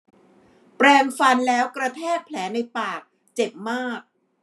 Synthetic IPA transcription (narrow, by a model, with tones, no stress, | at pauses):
pɾɛː˧ŋfa˧nlɛː˦˥wkɾa˧t̪ʰɛː˥˩k̚pʰlɛː˩˦na˧jpaː˨˩k̚ | t͡ɕe˨˩p̚maː˥˩k̚